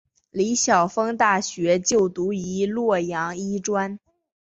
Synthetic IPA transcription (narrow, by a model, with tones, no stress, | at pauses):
li˧˥ɕjɑ˨˩ʊfɤ˥ŋt̪a˥˩ɕɥɛ˧˥t͡ɕjo˥˩ʊt̪u˧˥i˧˥lwɔ˥˩jɑ˧˥ŋi˥ʈ͡ʂwa˥n